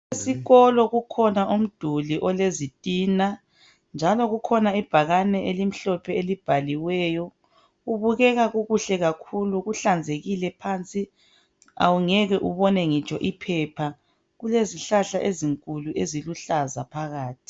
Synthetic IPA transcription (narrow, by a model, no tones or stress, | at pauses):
esiɣɔlɔɣukʰɔnaʔum̩d̥ʱuliʔɔlezitʼiːna | nd͡ʒʱalɔɣukʰɔnaib̥ʱaɣanɛʔelim̩ɬɔpʰɛelib̥ʱaliwɛːjɔ | ɣuβuɣɛɣaɣuɣuɬɛɣakʰuluɣuɬand͡zʱeɣilɛpʰant͡sʼi | a̰wuŋɛɣɛʔuβɔnɛŋit͡ʃʼɔʔipʰɛpʰa | ɣuleziɬaɬaʔeziŋkʼuluʔeziluɬazapʰaɣaːtʰi̥